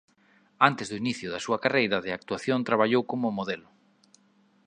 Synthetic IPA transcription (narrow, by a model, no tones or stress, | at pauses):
ant̪ɪzðʊiniθjʊðɐsuɐkarejɾaðɪak̚t̪uaθjont̪ɾaβ̞aʎowkomʊmoðelʊ